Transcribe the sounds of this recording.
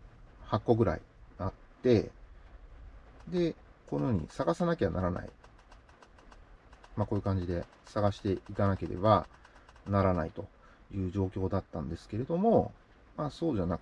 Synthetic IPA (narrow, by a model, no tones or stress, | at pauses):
hakːo̞ɡɯ̟ɾa̰ḭnat̪ːe̞ | d̪e̞ko̞noɲ̟ḭsaɡasanakʲe̞a̰naɾana̰ḭ | mako̞ːjɯ̟kãɲ̟d͡ʑid̪e̞ | saɡaɕi̥t̪e̞ikanake̞ɾe̞̰ba | naɾanait̪o̞ | jɯ̟ːʑo̞ːkʲo̞ːd̪at̪ːãnd̪e̞sɨ̥ke̞ɾe̞d̪o̞mo̞ | maːso̞ːʑanak